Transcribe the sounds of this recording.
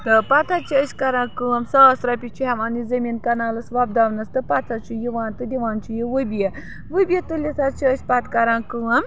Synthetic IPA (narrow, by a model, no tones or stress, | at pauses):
t̪ɨpɐt̪ʰat͡ʃʰiəʃʲkɐɾãːkɨwɐmsɐsɾɐpʲit͡ʃʰiɦɛmɐnizɐmiːnkɐnaːlɐsʋɐb̚d̪aʋnɐst̪ɨpɐt̪ʰat͡ʃʰijiʋaːnt̪ɨd̪ʲiʋaːnt͡ʃʰijiʋɨbije | ʋɨbʲijet̪ulʲit͡sat̪̚t͡ʃʰiəʃʲpɐt̪kɐɾãːnkɨʋɐm